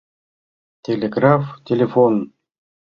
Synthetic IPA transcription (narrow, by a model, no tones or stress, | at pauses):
tʲelʲeɡraft̪ʲelʲefon